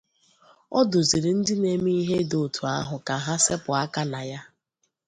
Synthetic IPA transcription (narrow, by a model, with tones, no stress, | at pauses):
ɔ˦dʊ˨zi˨ɾi˨n̩˦dɪ˦ne˨mi˦i˦ɦe˦do˨tʰu˨a˦ɦʊ˨ka˨ɦa˦se˦pʊ˨a˦ka˦na˨ja˦